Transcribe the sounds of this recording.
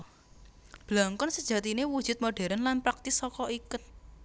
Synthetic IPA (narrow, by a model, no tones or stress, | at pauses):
b̥laŋkɔnsəd̥ʒ̥ä̤t̪inewud̥ʒ̥ʊ̤t̪̚moɖ̥ɛ̤ɾənlanpɾak̚t̪ɪsɔkɔʔikʊt̪̚